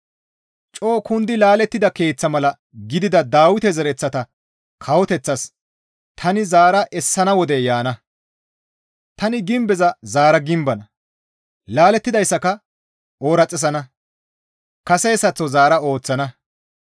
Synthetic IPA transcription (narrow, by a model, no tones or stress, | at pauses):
t͡ʃʼo̞ːkʊnd̪ɪlaːlɛt̪ːɪd̪ɐke̞ːt͡sːɐmɐlɐ | ɡɪd̪ɪd̪ɐd̪aːwɪt̪ɛzɛɾɛt͡sːɐt̪ɐ | kʰɐwɔt̪ɛt͡sːɐs | t̪ʰɐnɪzaːɾɐʔɛsːɐnɐwɔd̪ɛjaːnɐ | t̪ɐnɪɡɪmbɛzɐzaːɾɐɡɪmbɐnɐ | laːlɛt̪ːɪd̪ɐjsːɐkɐ | oːɾɐt͡sʼːɛs̬ɐnɐ | kɐsɛjsɐt͡sːɔzaːɾɐo̞ːt͡sːɐnɐ